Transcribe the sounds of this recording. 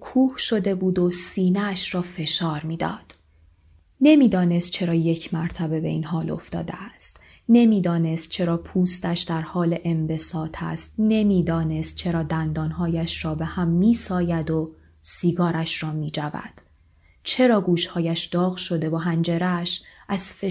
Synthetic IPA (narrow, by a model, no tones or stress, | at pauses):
kʰuːhʃo̞d̪e̞buːd̪o̞siːneʃɾɒːfe̞ʃɒːɾmiːd̪ɒ̰ːd̪̥ | ne̞miːd̪ɒːne̞st̪̚t͡ʃʰe̞ɾɒːje̞cʰmæɾt̪ʰæbe̞be̞iːnɦɒːlo̞̰ft̪ɒ̰ːd̪ḛæst̪ | ne̞miːd̪ɒːne̞st̪̚t͡ʃʰe̞ɾɒːpʰuːst̪æʃd̪æɾhɒːle̞ʔembe̞sɒːt̪ʰæ̰st̪̚ne̞miːd̪ɒːne̞st̪̚t͡ʃʰe̞ɾɒːd̪ænd̪ɒːnɦɒːjæʃrɒːbe̞hæmːiːsɒːjæd̪o | siːɡɒːɾæʃrɒːmiːd͡ʒævæ̰d̪̥ | t͡ʃʰe̞ɾɒːɡuːʃhɒːjæʃd̪̥ɒːɣʃo̞d̪e̞voɦænd͡ʒeɾæʃʔæz̥fe